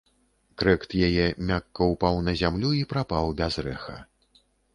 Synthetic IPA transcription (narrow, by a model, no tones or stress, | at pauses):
kɾɛkt̪jajɛmʲakːɐupawnɐzʲamlʲuipɾapawbʲazrɛxɐ̰